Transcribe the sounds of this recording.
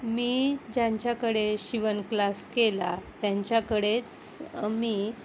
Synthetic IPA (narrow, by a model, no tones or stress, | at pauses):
miːd͡ʑãɲt͡ɕjakəɽeɕiʋənklaskelat̪jaɲt͡ɕjakəɽet͡s | miː